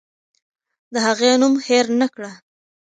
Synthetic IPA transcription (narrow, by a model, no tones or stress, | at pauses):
d̪əhaɣenumheɾnakɽa